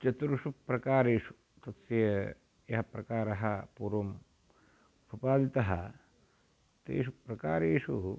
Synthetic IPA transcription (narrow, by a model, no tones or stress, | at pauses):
t͡ʃɐt̪ɾuʂupɾɐkaːɾeːʂu̥ | t̪ɐt̪sɐjɐ | jɐɦɐpɾɐkaːɾɐɦɐpuːɾʋɐm | pupaːd̪it̪ɐɦɐ | t̪ḛːʃupɾɐkaːɾeːʂṵ